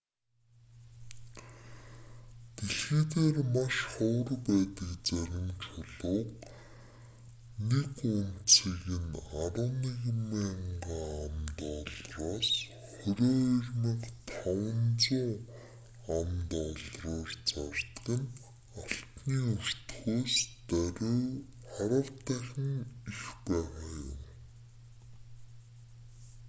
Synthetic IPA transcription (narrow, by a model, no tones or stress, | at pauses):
t̪eɮxiːt̪eːrmaʃχɔːrpæːt̪ə̆kt͡sæɾʲɪ̆mt͡ɕʰʊɮʊːq̚ | nekʊnt͡siːɣɘ̆naɾə̆niɣmeːɴɢaːamt̪ɔɮraːs | χɵɾʲoːirʲmə̆kt̪ʰawə̆nt͡sʊŋ | amt̪ɔɮrʊːrt͡sart̪̆qə̆n | aɬt̪niːur̥t̪xoːst̪æɾʲː | χæɾʲə̆wt̪æːxʲɪ̆ŋixpæːʁaːjʊ̰m